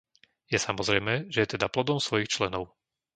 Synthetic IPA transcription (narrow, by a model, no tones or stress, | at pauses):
jɛsamɔzɾɛjmɛːʒɛjɛt̪ɛd̪aplɔd̪ɔmsʋɔjixt͡ʃlɛnɔʊ